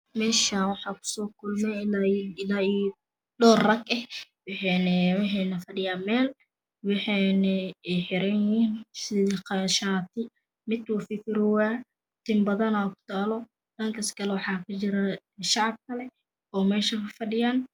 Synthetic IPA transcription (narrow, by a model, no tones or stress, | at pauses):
mɛːʃanwɑħɑːkʰʊ̥sɔːkʰʊlmɛɪlaɪlai | dɔːrrɐɡɛhwɑħɛnɛwɪħɛnɐfɐɖɪjaːmɛːl | wɑħɑjnɐɛħɪɾɛniːnsɪðiqɑʃaːt̪ʰɪ | mɪd̪wʊfɪkɪɾwaː | t̪ʰɪmbɐðɐnaːkʰʊ̥t̪ʰaːlɔ | dɐŋkʰɐskʰɐlɛwɑħɑːkʰɐt͡ʃɪɾɐ | ʃɑʕɑb̚kʰɐlɛ | ɔːmɛːʃɐkɐfɐɗɪjaːn